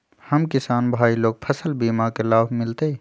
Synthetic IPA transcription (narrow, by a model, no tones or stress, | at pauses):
həmkɪsaːnbʱaːiloːɡ̚pʰəsəlbiːmakelaːbmɪlt̪e